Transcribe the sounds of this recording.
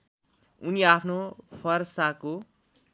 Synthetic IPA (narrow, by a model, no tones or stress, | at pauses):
uniapʰnopʰʌrsako